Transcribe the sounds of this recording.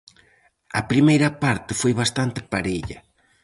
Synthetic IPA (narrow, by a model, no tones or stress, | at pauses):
ɐpɾimejɾɐpaɾt̪ɪfojβast̪ant̪ɪpaɾeʎɐ̰